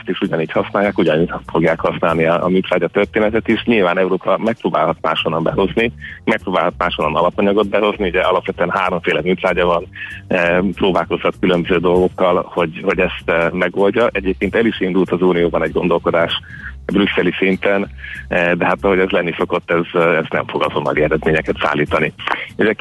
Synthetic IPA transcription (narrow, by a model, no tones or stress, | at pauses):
st̪iʃuɟɒniːchɒsnaːjaːkuɟɒnifo̞ɡjaːkhɒsnaːlniɒ̰ːmyːt̪ɾaːɟɒt̪ørt̪eːnɛt̪ɛt̪iʃɲilvaːnɛuɾoːpɒmɛk̚proːbaːlɦɒt̪̚ma̰ːʃhonːɒmbɛ̰ɦo̞znimɛk̚proːbaːlɦɒt̪̚maːʃhonːɒnɒlɒpɒɲɒɡo̞d̪̚bɛɦo̞zniuɟɛʔɒlɒpʋɛt̪øɛnɦaːɾo̞ɱfeːlɛmyːt̪ɾaːɟɒvɒn | pɾoːbaːlko̞shɒt̪kylømbøzøːd̪o̞lɡo̞kːɒlho̞ɟho̞ɟɛst̪mɛɡo̞lɟɒʔɛɟeːp̚keːnt̪ɛliʃind̪ult̪ɒzuːnijoːbɒnɛɟɡo̞nd̪o̞lko̞d̪aːʃ | bryksɛlisint̪ɛnd̪ɛɦat̪ɒɦo̞ɟɛzlɛnːiso̞ko̞t̪ːɛzɛznɛ̰ɱfo̞ɡɒzo̞nːɒ̰liɛɾɛd̪meːɲɛkɛt̪sa̰ːlːiːt̪ɒnieːʃɛ